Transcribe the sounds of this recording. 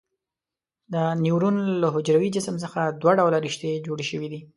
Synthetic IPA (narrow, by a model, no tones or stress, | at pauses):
d̪əniwɾunləɦʊd͡ʒɾawid͡ʒɪsəms̬əxad̪waɖawlaɾiʃt̪ed͡ʒoɽeʃəwid̪i